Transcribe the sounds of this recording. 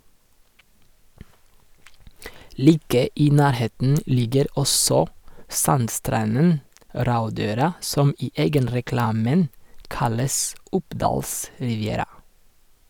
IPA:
ˈliːkə ˈiː ˈnæːɾˌheːtn̩ ˈlɪɡəɾ ˈɔsɔ ˈsɑnˌstɾɑnən ˈɾɑʉˌdøːɾɑ ˈsɔm ˈiː ˈeːɡənɾɛˌklɑːmən ˈkɑləs ˈʊpˌdɑːls ɾɪʋɪˈeːɾɑ

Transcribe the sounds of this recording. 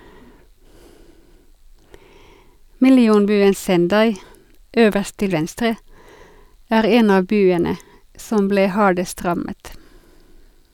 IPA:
mɪlɪˈuːnˌbyːən sɛnˈdɑɪ ˈøːʋəʁst ˈtɪl ˈʋɛnstɾə ˈæːʁ ˈeːn ˈɑː ˈbyːənə ˈsɔm ˈbleː ˈhɑːɖəst ˈʁɑmət

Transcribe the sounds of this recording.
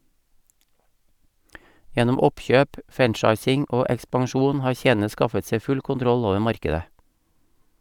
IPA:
ˈjɛnʊm ˈɔpˌçøːp ˈfænˌt͡ʃɑɪsɪŋ ˈoː ɛkspɑŋˈʃuːn ˈhɑːɾ ˈçeːn̩ə ˈskɑfət ˈsɛ ˈfʉl kʊnˈtɾɔl ˈoːʋə ˈmɑɾkədə

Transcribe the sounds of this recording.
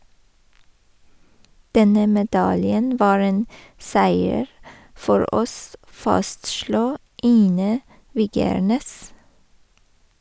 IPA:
ˈdɛnə mɛˈdɑljən ˈʋɑːɹ ˈeːn ˈsæɪəɹ ˈfɔɾ ˈʔɔs ˈfɑstʃluː ˈiːnə ˈʋiːɡəɹˌneːs

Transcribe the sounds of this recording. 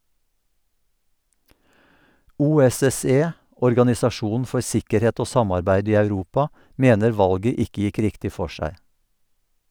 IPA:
ˌʔuːɛsɛˈseː ʔɔɹɡɑnɪsɑˈʃuːnn̩ ˈfɔɹ ˈsɪkəɾˌheːt ˈoː ˈsɑmɑɹbæɪd ˈiː ɑʉˈɾuːpɑ ˈʔmeːnəɹ ˈʋɑlɡə ˈɪkə ˈjɪk ˈɾɪktɪ ˈfɔ ˈʃæɪ

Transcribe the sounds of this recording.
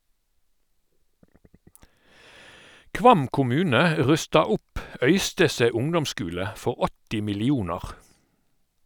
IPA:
ˈkʋɑm kʊˈmʉːnə ə ˈʁʉstɑ ˈʊp ˈœʏstəseː ˈʊŋdɔmˌskʉːlə ˈfɔʁ ˈɔtɪ mɪlɪˈuːnɑʁ

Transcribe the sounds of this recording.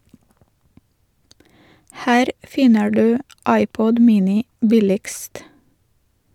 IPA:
ˈhæːɾ ˈfɪnə ˈɖʉː ˈɑɪˌpɔd ˈmiːnɪ ˈbɪlɪɡst

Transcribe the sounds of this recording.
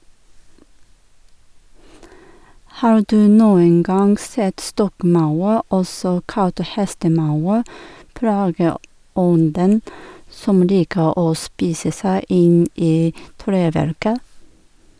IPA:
ˈhɑːɾ ˈdʉː ˈnuːəŋ ˈɡɑŋɡ ˈsɛt ˈstɔkˌmɑʉɾ ˈɔsɔ ˈkɑlt ˈhɛstəˌmɑʉɾ ˈplɑːɡəˌɔndən ˈsɔm ˈliːkə ˈoː ˈspiːsə ˈsæɪ ˈɪn ˈiː ˈtɾeːˌʋæɾkə

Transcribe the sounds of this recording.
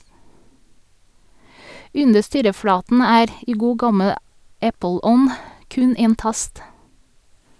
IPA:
ˈʉndə ˈstyːɾəˌfɽɑːtn̩ ˈæːɾ ˈiː ˈɡuː ˈɡɑməl ˈæpəˌlɔn ˈkʉn ˈeːn ˈtɑst

